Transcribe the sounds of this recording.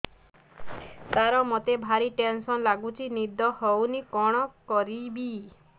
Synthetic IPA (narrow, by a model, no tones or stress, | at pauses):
t̪aɾɔmot̪ebʱaɾiʈensɔnlaɡut͡ʃʰinid̪ʱɔhownikɔɽ̃ɔkɔɾibi